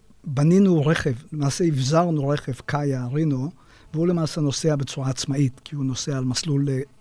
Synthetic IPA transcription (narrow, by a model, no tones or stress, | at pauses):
baninuʁe̞χevlemaːseivzaʁnuʁe̞χevkʰajaʁino | veule̞maːseno̞seabe̞t͡suʁaːt͡smait̪kiuno̞seaːlmaslule